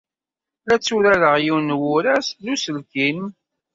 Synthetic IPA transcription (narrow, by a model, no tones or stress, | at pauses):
læt͡sːuɾæləʁjiwnwʊɾæsðusəlkin